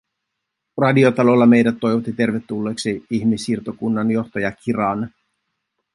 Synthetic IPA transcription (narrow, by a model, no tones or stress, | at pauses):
rɑdio̞t̪ɑlo̞lːɑme̞jdæt̪ːo̞jʋot̪ːit̪e̞rʋe̞t̪ːulːe̞ːksiiçmisirt̪okunːɑnjo̞xt̪ojɑkʰiɾɑːn